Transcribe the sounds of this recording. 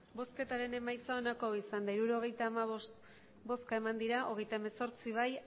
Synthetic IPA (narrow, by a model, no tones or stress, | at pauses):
bo̞ske̞t̪aɾe̞ne̞majt͡saonako̞isand̪aiɾuɾuo̞ɣ̞e̞jt̪aːma | bo̞skae̞mand̪iɾaʔo̞ɣ̞e̞jt̪ae̞me̞so̞ɾt͡siβ̞aj